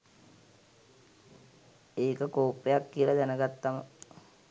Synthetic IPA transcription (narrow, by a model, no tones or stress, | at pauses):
eːkəkoːpːejakːiəlad̪ænəɡat̪ːamə